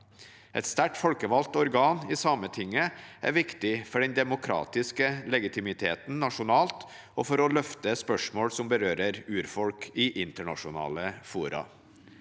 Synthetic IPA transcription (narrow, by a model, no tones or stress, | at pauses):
ʔɛ̰t̪st̪æʈfɔlkəʋɑlt̪ɔɾɡɑːniːsɑmət̪ʰɪŋːəʔæ̰ɾʋɪkt̪ɪfɔɖɛnd̪ɛmʊkʰɾɑ̰ːt̪ɪskəlɛɡɪt̪ʰɪmɪt̪ʰeːt̪n̩nɑʂʊnɑːlt̪ | ɔːfɔɾɔlœft̪əspœʂmoːɽsɔmbəɾøːɾəɾʉːɾfɔɽkʰɪʔɪnt̪əɳɑ̰ʂʊnɑ̰ːləfuːɾɑ̰